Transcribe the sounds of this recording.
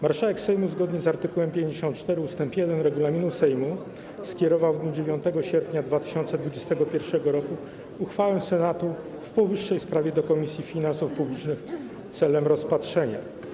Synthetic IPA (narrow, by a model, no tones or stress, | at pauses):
maɾʂawɛksɛjmuzɡɔd̪ɲɛzaɾt̪ɘkuwɛmpʲjeɲd͡ʑeɕɔnt̪t͡ʂt̪ɛɾɘust̪ɛmpjɛd̪ɛnɾɛɡulamʲinusɛjmu | skʲjɛɾɔvawvd̪ɲud͡ʑevʲjɔnt̪ɛɡɔɕɛɾpʲɲad̪vat̪ɘ̥ɕɔnt̪sɛd̪vud͡ʑɛst̪ɛɡɔpʲjɛɾfʂɛɡɔɾɔkuː | xfawɛsɛnat̪u | fpɔvɘʂːɛjspɾavʲjɛd̪ɔkɔmʲisʲjifʲinansufpublʲit͡ʂnɘx | t̪sɛlɛmɾɔspatʂɛɲa̰